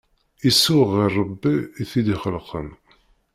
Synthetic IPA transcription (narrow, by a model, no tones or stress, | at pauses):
isːʊʁirˤːəbːiːθid̪iχəlqʰə̰n